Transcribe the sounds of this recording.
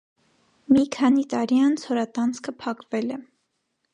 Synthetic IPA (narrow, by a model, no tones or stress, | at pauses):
mikʰɑnit̪ɑɾiɑnt͡sʰhɔɾɑt̪ɑnt͡sʰkʰəpʰɑkvɛlɛ